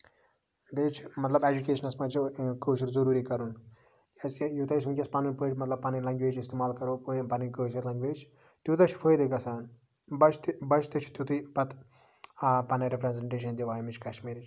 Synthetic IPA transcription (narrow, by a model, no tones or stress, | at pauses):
beːt͡ʃʰmɐt̪lɐbed͡ʒukʲeːʃɐnɐsmɐt͡ʃkəːt͡ʃɐɾzɐɾuːɾikɐɾun | kʲaskʲjut̪ɐsmɨkʲɐspɐnɨnpəːʈʲmɐt̪lɐb̚pɐnɐlɐ̃ŋɡʋeːd͡ʒɪst̪eːmaːlkɐɾoːppɐnikəːsɐɾlɐːŋɡʲʋeːd͡ʒ | t̪ut̪ɐt͡ʃʰfʰəjd̪ɨkɐsaːn | bɐt͡ʃʰt̪bɐt͡ʃʰt̪ɨt͡ʃʰt̪ut̪ɨpɐt̪ʰː | pɐnɐɾepʰɾɐnzeɳʈeːʃ̬ɐnd̪iʋaːjmit͡ʃʰkɐʃmiːɾit͡ʃʰ